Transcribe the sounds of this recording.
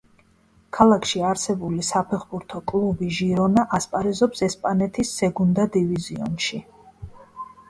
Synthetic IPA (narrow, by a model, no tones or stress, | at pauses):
kʰalˠakʰʃiaɾsɛbulisapʰɛχbuɾt̪ʰɔkʼlˠubiʒiɾɔnaʔaspʼaɾɛzɔpsɛspʼanɛt̪ʰisːɛɡund̪ad̪iviziɔ̰nʃi